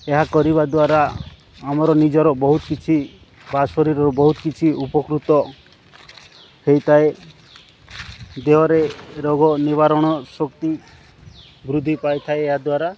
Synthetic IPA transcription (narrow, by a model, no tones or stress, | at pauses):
eɦakɔɾiβad̪waɾaː | mɔɾɔnid͡ʒɔɾɔbɔɦut̪kit͡ʃʰi | basɔɾiɾɔɾɔbɔɦut̪kit͡ʃʰiupɔkɾut̪ɔ | hejt̪ʰae | d̪eɦɔɾeɾɔɡɔniβaɾɔɽ̃ɔsɔkt̪i | bɾud̪ʱːipajt̪ʰaeːɦad̪waɾa